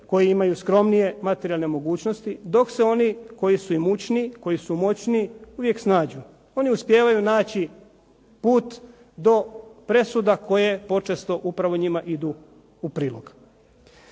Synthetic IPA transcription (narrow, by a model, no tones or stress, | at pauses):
ko̞jiimajuskɾo̞mnije̞mat̪eɾialne̞mo̞ɡuːt͡ɕnost̪id̪o̞kse̞o̞niko̞jisuimut͡ɕniko̞jisumo̞t͡ɕniuʋje̞ksnaːd͡ʑu | o̞niuspje̞ːʋajunaːt͡ɕi | puːt̪ | d̪o̞pɾe̞sud̪ako̞je̞po̞t͡ʃe̞st̪o̞ʔupɾaʋo̞ɲimaʔid̪u | upɾiːlo̞̰ɡ̥